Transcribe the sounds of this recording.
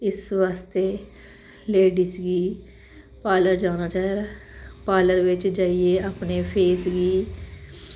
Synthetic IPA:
ɪsʋaːst̪eː | leːɖiːsɡiː | paːləɾd͡ʒaːnaːt͡ʃaːeːd̪aːpaːləɾʋɪt͡ʃd͡ʒaːieːaːpneːpʰeːsɡiː

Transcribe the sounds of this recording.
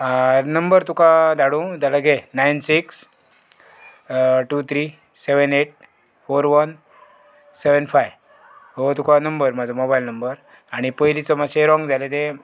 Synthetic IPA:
nəmbəɾt̪ukad̪ʱaɽũt̪alaɡenajnsiks | ʈut̪ʰɾi | seʋəneʈ̚ | foɾʋən | seʋənfaj | ɦot̪ukanəmbəɾmad͡zʱomobajlnəmbəɾ | aɽ̃ipəjlit͡səmaɕeɾɔ̃ŋɡd͡zʱalet̪̬e

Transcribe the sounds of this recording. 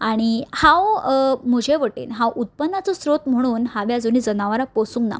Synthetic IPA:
aɽ̃ihãwm̤od͡ʑʱeʋəʈḛːnɦãwʔut̪̚pənːat͡sɔsɾot̪m̤əɽ̃uːnhaʋjad͡zoniːd͡zənaʋaɾaposuŋɡna̰

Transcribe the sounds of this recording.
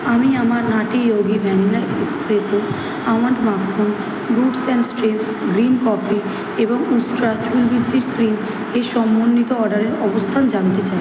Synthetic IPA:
amiamaɾnaʈijoɡibʱɛnilaekspɾeso | aw̃aɳʈmakʰːon | ɡuʈsɛ̃nsʈɾipsɡɾinkɔfi | eboŋusʈɾat͡ɕulbid̪ʱːiɾkɾim | ejʃɔmːonːit̪oɔɾɖaɾeɾɔbost̪ʰand͡ʑant̪et͡ɕai

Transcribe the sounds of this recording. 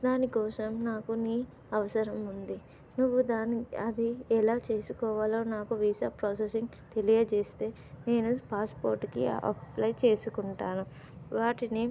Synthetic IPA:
d̪aːnikɔːsɐmnaːkuniː | ɐʋɐsɐɾɐmund̪i | nuʋːud̪aːnɐd̪iɛlaːt͡ʃe̞ːsukɔːʋaːlo̞ːnaːkuʋiːsaːpɾɔːs̬esiŋɡ | t̪e̞lijɐt͡ʃe̞ːst̪e̞ː | ne̞ːnupaːspo̰ːɾʈkḭɐ̰plɐjt͡ʃe̞ːsukuɳʈaːnu | ʋaːʈini

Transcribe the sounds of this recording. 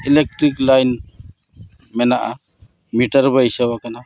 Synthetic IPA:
ilek̚ʈɾiklajn | mɛnaʔa | miʈaɾbajsaβakana

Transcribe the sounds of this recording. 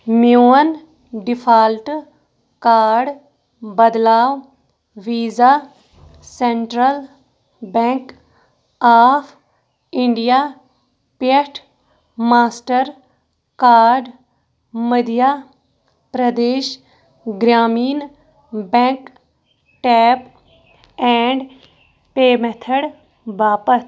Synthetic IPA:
mjuːən | ɖɪpʰaːlʈ | kaːɾɖ | bəd̪laːʋ | ʋiːzaː | sɛɳʈɾəl | bɛ̃ŋk | aːpʰ | ɪɳɖijaː | pjəʈʰ | maːsʈəɾ | kaːɾɖ | məd̪jaː | pɾəd̪eːʃ | ɡɾaːmiːn | bɛ̃k | ʈɛːp | ɛ̃ːɳɖ | peːmɛt̪ʰəɽ | ʋaːpəs

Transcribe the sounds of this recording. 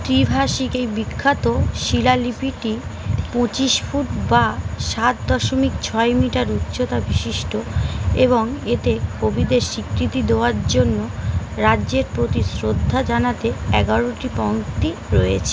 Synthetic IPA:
t̪ɾibʱaʃikejbikʰːat̪oʃilalipiʈipot͡ɕiʃfʰuʈbaʃat̪̚d̪ɔʃomikt͡ɕʰɔemiʈaɾut̪ːɕot̪abiʃiʃʈoeβoŋet̪ekʰobʱid̪eɾʃikɾit̪id̪eoaɾd͡ʑonːoɾadːʑeɾpɾot̪isɾod̪ʱːad͡ʑanat̪eɛɡaɾoʈipɔwkt̪iɾojet͡ɕʰe

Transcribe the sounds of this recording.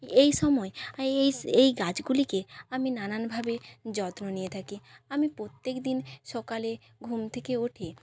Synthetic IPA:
ejʃɔmɔeejejɡad͡ʑɡulikeaminananbʱabed͡ʑɔt̪nonijet̪ʰakiamipɾot̪ːekd̪inʃɔkale | ɡʱumt̪ʰekeoʈʰe

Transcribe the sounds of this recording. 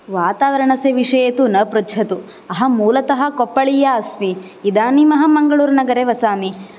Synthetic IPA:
ʋaːt̪aːʋɐɾɐɳɐseʋiʂɐjɐt̪unɐpɾɐɐt̪u | ɐɦɐ̆muːlɐt̪ɐɦɐkopːɐɭijaɐsmiː | d̪aːnimɐɦɐmɐŋɡɐɭuːɾɐnɐɡɐɾeʋɐsaːmi

